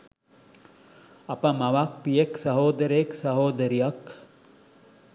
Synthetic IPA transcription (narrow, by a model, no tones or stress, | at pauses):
ɐpɐmɐʋak̚pijeksɐɦoːd̪ɐɾeeksɐɦoːd̪ɐɾijɐk